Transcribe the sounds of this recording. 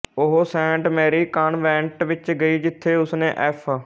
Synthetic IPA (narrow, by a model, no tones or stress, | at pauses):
ʊɦoːsɛ̃ːɳʈmɛːɾiːkaːnʋɛ̃ːɳʈʋɪt͡ʃɡəiːd͡ʒɪt̪ʰːeːʊsnḛ̃ːʔɛːpʰaː